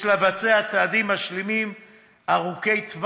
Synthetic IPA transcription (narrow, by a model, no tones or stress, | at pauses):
labat͡sehat͡sad̪imːaʃlimim | aʁuke̞jt̪v